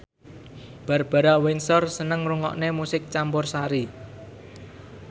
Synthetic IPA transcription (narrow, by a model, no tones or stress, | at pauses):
b̥a̤rb̥a̤ɾawɪnsɔrsənəŋruŋɔ̰ʔnemusɪk̚t͡ʃampʊrsaɾi